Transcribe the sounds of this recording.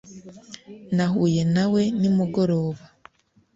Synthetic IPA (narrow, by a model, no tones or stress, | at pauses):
nahuːje̞nawe̞nimuɡo̞ɾo̞ːβa